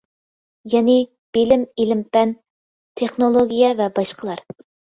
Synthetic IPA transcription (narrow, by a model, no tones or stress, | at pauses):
jɛnɪ | b̥elɪmelɪmpɛn | t̪ʰeχnolˠoɡʲijɛvɛbɑʃqəlˠɑɾ